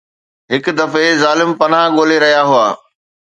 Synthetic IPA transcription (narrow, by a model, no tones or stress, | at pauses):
ɦɪkʊ̆d̪ɐfezaːlɪmpɐn̤ãɠoːleɾɐɦijaɦʊaː